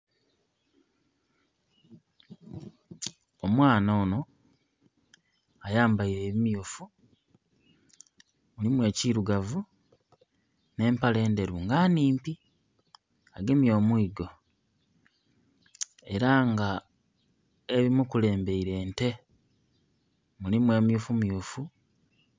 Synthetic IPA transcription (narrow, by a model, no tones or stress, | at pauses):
omwaːnono̞ | ajaːmbaiɾe̞ːβimjofu | ulimwe̞ːciɾuɡavu | ne̞ːmpale̞ːnde̞ɾuŋɡaːniːmpi | aɡe̞mijo̞ːmwiːɡo̞ | e̞ɾaŋɡa | eβimukule̞ːmbe̞iɾe̞ːnte̞ | mulimweːmjufumjufu